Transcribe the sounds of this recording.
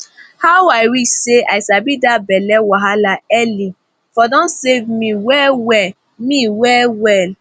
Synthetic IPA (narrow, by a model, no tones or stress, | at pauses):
haajɾiseʔaɪsabidabɛlɛwaɦalaɛli | fɔdɔ̃nsevmiwɛwɛl | miwɛwɛl